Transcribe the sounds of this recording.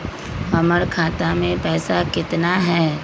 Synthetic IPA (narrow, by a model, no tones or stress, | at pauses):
ɦɐməɾkʰaːt̪amẽpɛːsakɪt̪naɦɛː